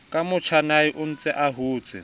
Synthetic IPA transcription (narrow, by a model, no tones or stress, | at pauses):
kʼamʊt͡ʃʰanaɪʔʊn̩t͡sʼɛʔaɦuːt͡sʼɪ̰